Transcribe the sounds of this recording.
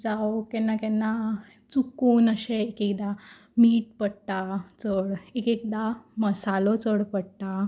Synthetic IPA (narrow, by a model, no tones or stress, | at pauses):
d͡zawkɛnːakɛnːa | t͡sukuːnəɕeekekd̪a | miːʈ̚pəɽʈ̪at͡səɽekekd̪aməsalot͡səɽpəɽʈ̪a